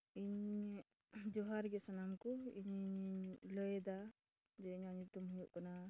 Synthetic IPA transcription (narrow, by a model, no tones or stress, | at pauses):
iɲ | d͡ʒɔɦaɾɡɛsanamkuḭɲ | ləjɛd̪a | d͡ʒɛiɲaɲut̪umɦujuʔkana